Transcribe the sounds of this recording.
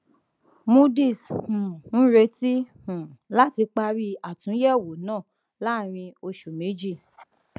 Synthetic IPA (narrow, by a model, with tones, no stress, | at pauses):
mu˦di˦˨shũ˨n̩˦ɾe˧ti˦hũ˨la˦ti˧k͡pa˧ɾi˦a˨tũ˨˦jɛ˦˨wo˨˦nãː˦˨ | la˦˨ɾ̃ĩ˧o˧ʃu˨me˨˦d͡ʒi˦˨